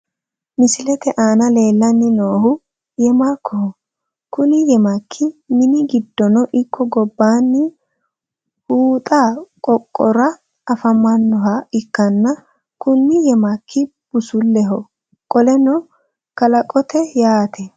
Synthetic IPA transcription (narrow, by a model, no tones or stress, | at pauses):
mɪsɪlɛt̪ɛʔaːnɐle̞ːlːɐnːɪnoːhʊ | jɛmakʰːɔhɔ | kʊnɪjɛmɐkʰːɪmɪnɪɡɪd̪ːɔnɔʔɪkːɔɡɔbːaːnːɪ | huːt̪ʼakʼɔkʼːɔɾɐː | fɐmɐnːɔɦɐɪkːɐnːɐ | kʊnːɪjɛmɐkːɪ | b̥ʊsʊlːɛɦɔ | kʼɔlɛnɔ | kɐlɐkʼɔt̪ʰɛjaːt̪ʰɛ